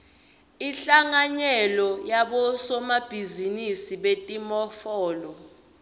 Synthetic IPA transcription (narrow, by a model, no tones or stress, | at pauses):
iɬaŋaɲɛlɔjaɓɔsɔmab̥ʱizinisiɓetʼimɔfɔːlɔ